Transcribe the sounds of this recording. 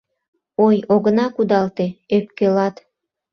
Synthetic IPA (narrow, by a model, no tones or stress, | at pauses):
ojoɣənɑkud̪ɑlt̪eøp̚kelɑt̪